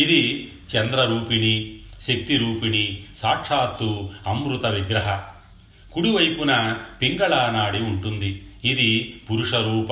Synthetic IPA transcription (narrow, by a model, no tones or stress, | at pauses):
id̪i | t͡ʃɛnd̪ɾɐɾuːpiniʃek̚t̪iɾuːpinisaːkʂaːt̪ːuɐmɾut̪ɐʋiɡɾɐɦɐ | kuɽiʋɐjpunɐpiŋɡɐɭaːnaːɽiuɳʈund̪iːd̪ipuɾuʂɐɾuːpɐ